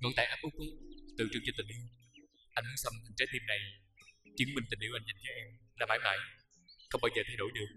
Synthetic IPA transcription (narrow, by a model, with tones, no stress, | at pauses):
ŋɔ̰˧˩nt̪a̰ː˧˨ʔaː˦˥p̚ʔɨ˦˥k̚ʔu˨˦t̪ɨ̰˧˨t͡ɕɨ˨˩ŋt͡ɕt̪ï˨˩ŋ̟ʔḭ˧˨w | ʔa˧jŋ̟ɨ˧˦sə˧mt̪ʰi˨˩ŋ̟t͡ɕaː˨˦˥t̪ʰi˧mna˨˩j | t͡ɕi˨˦nmï˨˩ŋt̪ï̟˨˩ʔḭ˧˩wʔa˧jŋza˨˩nt͡ɕɔ˨˦ʔɛ˧mlaː˨˩maː˧˩˦jma̰ː˧˨˩j | xə˧wŋ͡mɓaː˧wzəː˨˩t̪ʰa˧jɗo̰˧˩˦jɗɨ˨˩ək̚